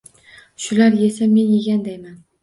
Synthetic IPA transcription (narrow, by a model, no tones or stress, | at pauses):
ʃʊlaɾje̞same̞nje̞ɡʲand̪ajman